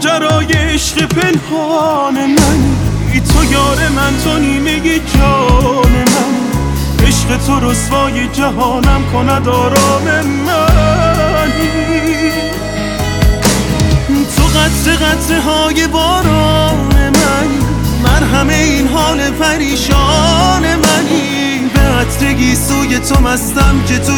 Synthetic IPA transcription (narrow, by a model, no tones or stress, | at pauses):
d͡ʒæɾɒːjeeʃɢepʰenhɒnemæn | it̪ʰojɒːɾe̞mænt̪ʰoniːmejed͡ʒɒːne̞mæn | eʃɢe̞t̪ʰoɾosvɒːje̞d͡ʒæɦɒːnæmkʰonæd̪ɒːɾɒːme | mæ | n | t̪ʰoɣæt̪ʰɾe̞ɣæt̪ʰɾe̞ɦɒːjebɒːɾɒne̞mæn | mænɦæme̞inɦɒːle̞fæɾiːʃɒːne̞mæni | beɣæt̪ʰɾe̞ɡiːsuːje̞t̪ʰomæst̪æmkʰe̞t̪ʰo